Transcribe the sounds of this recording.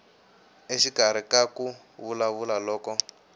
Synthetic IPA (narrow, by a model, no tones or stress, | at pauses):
eʃikaɾ̤ikaku | βulaβulalɔːkɔ